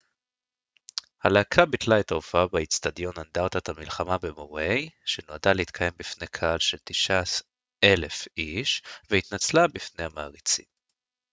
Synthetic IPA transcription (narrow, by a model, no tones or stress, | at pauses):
halaːkʰabit̪laet̪aofaabait͡st̪adjo̞nand̪aʁt̪at̪hamilχamabemo̞ʁejʃenoadaleit̪̚kʰaje̞mbifne̞kʰaalʃelt̪iʃas | ʔele̞fʔiʃvehit̪nat͡slabifne̞jamaːʁit͡sḭm